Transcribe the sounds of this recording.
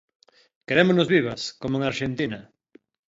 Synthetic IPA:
keɾemoznozβiβ̞askomoeŋaɾʃent̪inɐ

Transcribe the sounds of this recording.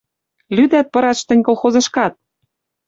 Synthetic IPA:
lyd̪æt̪̚pɤ̆ɾɑt̪ʃt̪ɘ̆nʲkolˠxozɤ̆ʃkɑt̪̚

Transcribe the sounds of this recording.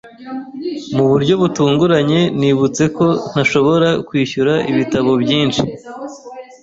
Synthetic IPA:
muβuɾɟo̞βutuːŋɡuɾaɲe̞niːβut͡se̞ko̞n̥aʃo̞βo̞ɾakwiːçuɾaʔiβitaβo̞bɟiːnʃi

